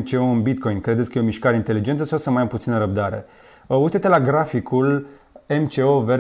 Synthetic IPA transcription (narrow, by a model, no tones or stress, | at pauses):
t͡ʃe̞oɨnbit̪ko̞jnkɾed̪et̪sʲkəjeomiʃkaɾeint̪e̞lid͡ʒe̞nt̪əsaosəmajamput̪sinəɾəb̚d̪aɾe̞̰ | ujt̪et̪elaɡɾafikʰul | e̞mt͡ʃe̞ove